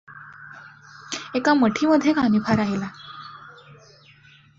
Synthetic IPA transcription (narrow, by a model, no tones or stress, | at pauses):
ekaməʈʰiməd̪ʱːjekanipʰaɾaɦela